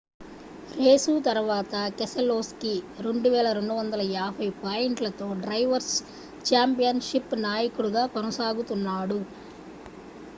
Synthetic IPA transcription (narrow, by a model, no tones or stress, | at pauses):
ɾeːsuːt̪ɐɾʋaːt̪ɐkesɐloːskiɾe̞ɳɖuʋɛːɭɐɾeɳɖuʋɐnd̪ɐlɐaːbʱɐjpaːjeɳʈlɐt̪o̞ːɖɾɐjʋɐɾs | t͡ʃaːmpijɐnʃipnaːjɐkuɽuɡaːkɔnɐsaːɡut̪unːaːɽu